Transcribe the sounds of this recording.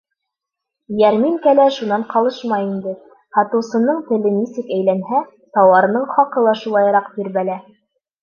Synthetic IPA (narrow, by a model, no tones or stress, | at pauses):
jæɾmiŋkælæʃunɑɴqɑlˠɤʃmɑjind̪ɘ | hɑt̪ɤ̆wsɤ̆nɤɴt̪ɘ̆lɘnisɘkæjlænɦæ | t̪ɑwɑɾɤ̆nɤɴχɑqɤ̆lˠɑʃulˠɑjɤɾɑqbiɾβælæ